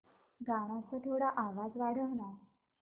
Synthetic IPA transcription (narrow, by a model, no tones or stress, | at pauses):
ɡaɽ̃ãt͡sət̪ʰoɽaʔaʋad͡zʋaɽəɦna